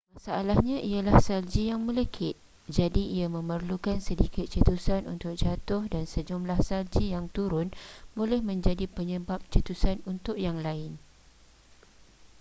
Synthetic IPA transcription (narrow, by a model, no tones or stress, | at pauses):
masaalahɲãʔialahsald͡ʒijaŋmə̃lekʰɪt̪̚ | d͡ʒadiʔiamə̃mərlukansədikɪt̪̚t͡ʃət̪usanṵnt̪ʊk̚d͡ʒat̪ʊhdansəd͡ʒumlahsald͡ʒijaŋt̪uɾʊnbolɛhmə̃ɲd͡ʒadipəɲəbap̚t͡ʃət̪usanunt̪ʊk̚jaŋlaɪn